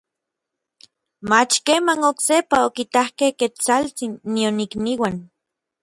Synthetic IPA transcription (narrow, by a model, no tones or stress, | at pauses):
mat͡ʃkeːmanoksepaokit̪ahkehket͡salt͡sinːionikniwan